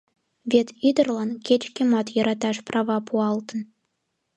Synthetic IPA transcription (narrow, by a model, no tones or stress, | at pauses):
βʲet̪id̪ɤ̆rlˠɑnkʲet͡ɕkʲĕmɑt̪jɤ̆ɾɑt̪ɑʃprɑʋɑpʰuɑlˠt̪ɤ̆n